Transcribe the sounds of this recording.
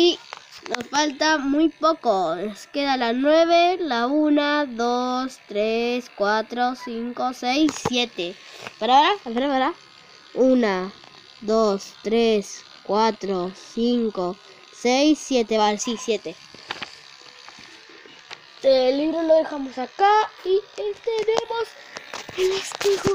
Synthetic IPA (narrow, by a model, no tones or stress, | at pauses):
inosfalt̪amujpokonoskeðalanwe̞β̞elaunaðost̪ɾeskwat̪ɾosiŋkosejsːje̞t̪epaɾaβaɾapaɾaβaɾa | una | ðost̪ɾes | kwat̪ɾosiŋko | sejsːjet̪eβaasisjet̪e | d̪eliβɾoloðexamosakaiet̪enemos | elest̪iɣo